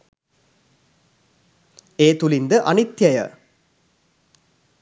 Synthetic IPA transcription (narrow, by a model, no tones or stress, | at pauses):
eːt̪ulind̪əʔɐnit̪jɐjə̰